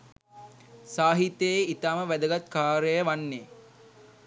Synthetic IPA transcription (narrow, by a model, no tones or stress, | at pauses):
saːɦit̪eeit̪aːməʋæd̪əɡat̪kaːɾəjəʋanːe